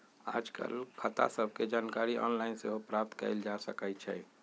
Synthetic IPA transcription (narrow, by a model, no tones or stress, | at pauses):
a̰ːd͡ʒkə̰lkʰət̪a̰səb̚ʱked͡ʒaːnkaːɾiɔ̰ːnlaɪnseɦopɾap̚t̪kə̰ɪld͡ʒasəkət͡ʃʰɛ